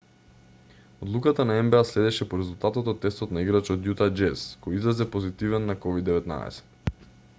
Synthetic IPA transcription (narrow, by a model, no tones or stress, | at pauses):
od̪lˠukat̪anaɛmbɛaslɛd̪ɛʃɛpoɾɛzulˠt̪at̪ɔt̪ɔt̪ːɛst̪ɔt̪naiɡɾat͡ʃɔt̪jut̪ad͡ʒɛskɔjizɾazɛpozit̪ivɛnːakɔvid̪ːɛvɛt̪na̰ɛ̰sɛ̥t̪